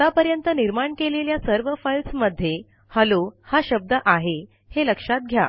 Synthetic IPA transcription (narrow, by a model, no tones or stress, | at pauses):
t̪apəɾjənt̪əniɾmaɳkeleljasəɾʋəfajlsməd̪ʱːje | həlohaɕəb̚d̪əʔaɦe | heləkʂat̪̚ɡʱja̰